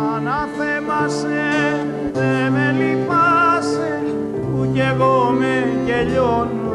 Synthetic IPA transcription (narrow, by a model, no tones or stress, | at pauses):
anapeβas | e | d̪emelipase | ujeɣomejeʎon